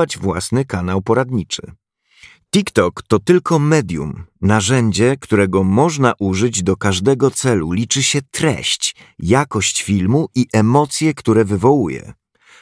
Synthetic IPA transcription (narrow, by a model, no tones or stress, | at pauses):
ad͡ʑvwa̰snɘkanawpɔɾad̪ɲit͡ʂɘ̰ | t̪ikt̪ɔkt̪ɔt̪ɘlkʰɔmɛd̪ʲjṵmnaʐɛɲd͡ʑɛkt̪uɾɛɡɔmɔʐnaʔuʐɘd͡ʑd̪ɔkaʐd̪ɛɡɔt̪sɛlulʲit͡ʂɘɕɛt̪ɾɛ̰ɕt͡ɕ | jakɔɕt͡ɕfʲilmuʔiʔɛmɔt̪sʲjɛkt̪uɾɛvɘvɔwujɛ̰